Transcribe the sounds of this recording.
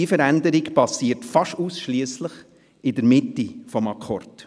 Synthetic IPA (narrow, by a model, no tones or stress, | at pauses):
ifəɾændəɾɪkpɑsiːəɾtfɑʃuːsʃliəsləχ | ɪdəɾmɪtːifɔmɑkʰort